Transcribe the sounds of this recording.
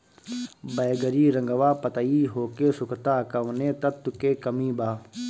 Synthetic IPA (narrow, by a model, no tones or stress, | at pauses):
bɐjɡɐɾiːɾɐŋɡɐʋaːpɐt̪aiːɦoːkeːsʊkʰt̪aːkɐʋnẽːt̪ɐt̪ukeːkɐmĩːbaː